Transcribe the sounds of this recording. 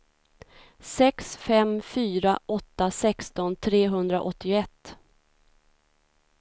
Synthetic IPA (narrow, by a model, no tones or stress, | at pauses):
sɛksfɛmfyːɾaʔɔt̪ːasɛkst̪ɔnt̪ʰɾeːɦɵnd̪ɾaʔɔt̪ːɪɛt̪ː